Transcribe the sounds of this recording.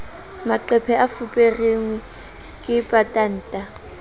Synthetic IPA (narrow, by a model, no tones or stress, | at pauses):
maǃɛpʰɛafupʼereŋwɛ | kʼɪpʼatʼan̩ːtʼa